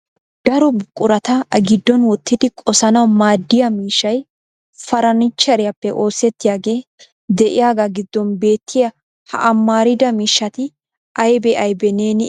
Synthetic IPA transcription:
d̪̥ɐɾɔbʊkʼːʊɾɐt̪ɐɐɡɪd̪ːɔnwɔt̪ːɪd̪ɪkʼɔsɐnɐwmaːd̪ːɪjɐmiːʃːɐj | fɐɾɐnɪt͡ʃːɐɾɪjɐpːɛʔo̞ːsɛt̪ːɪjaːɡe̞ː | d̪ɛʔɪjaːɡaɡɪd̪ːɔnbe̞ːt̪ːɪjɐ | hɐ̰ʔɐmːaːɾɪd̪ɐmiːʃːɐt̪ɪ | ʔɐjbɛʔɐjbɛneːnɪ

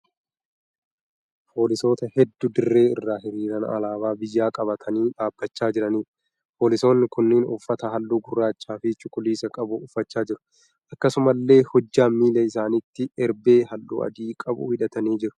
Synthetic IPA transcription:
pʰo̞ːlɪso̞ːt̪ɐhɛd̪ːʊd̪ɪrːe̞ːɪrːaːɦɪɾiːɾɐnɐ̰laːbaːbɪjːaːkʼɐbɐt̪ʰɐniːᶑaːbːɐt͡ʃːaːd͡ʒɪɾɐniː | poːlɪso̞ːnːɪkʊnːɪnʊfːɐt̪ɐɦɐlːuːɡʊrːaːt͡ʃːaːfɪt͡ʃʊkʼʊliːsɐkʼɐbʊʊfːɐt͡ʃːaːd͡ʒɪɾʊ̥ | ʔɐkːɐsʊmɐlːe̞ːhɔd͡ʒːaːmiːlɐɪsaːnɪt̪ːɪɛɾbe̞ːɦɐlːṵːɐ̰d̪iːkʼɐbʊ̰hɪᶑɐt̪ɐniːd͡ʒɪɾʊ̥

